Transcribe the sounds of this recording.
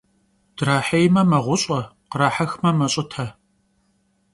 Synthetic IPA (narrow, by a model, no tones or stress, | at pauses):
d̥ɾaːħejmɐmɐʁʷʊɕʼɐqəɾaːħɐxmɐmɐɕʷʼɪtʰɐ